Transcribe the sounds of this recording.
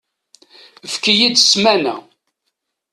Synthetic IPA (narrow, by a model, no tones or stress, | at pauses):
fkijid̪smænæ̰